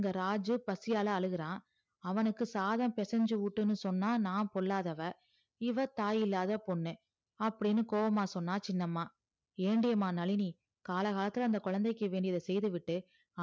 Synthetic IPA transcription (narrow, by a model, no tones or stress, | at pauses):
ŋɡɐɾaːd͡ʒɯpɐsɪjaːlɐɐɭɯɣɪɾãː | ɐʋɐnɯkːɯsaːðɐmpɛsɛɲd͡ʒɯʋʊʈːɯnːɯsɔnːaːnaːpɔɭːaːðɐʋɐ | ɪʋɐt̪aːjɪlːaːðɐpɔɳːẽː | ɐpːɐɽinːɯkoːʋɐmaːsɔnːaːt͡ʃɪnːɐmːaː | eːɳɖɪjɐmaːnɐɭɪni | kaːlɐɣaːlɐt̪ːɪlɐɐnd̪ɐkʊɻɐnd̪ɐɪkːɯʋeːɳɖɪjɐðɐsɛjðɯʋɪʈːɯ